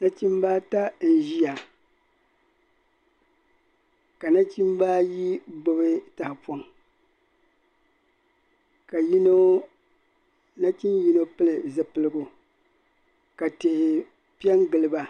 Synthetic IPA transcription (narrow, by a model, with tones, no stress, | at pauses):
na˦t͡ʃi˦m˦ba˦ta˦n̩˨ʒi˦ja˨ | ka˨na˦t͡ʃi˦mba˦ji˦bo˨bɨ˦ta˨hɪ˨po˦ŋ | ka˨ji˦no˦ | na˦t͡ʃi˦nji˦no˦pɨ˦lɨ˨zɨ˨pɨ˨lɨ˦ɡʊ˨ | ka˨te˨ʔɪ˨ | pi˦ɛ˦ŋɡɨ˨lɨ˨ba˨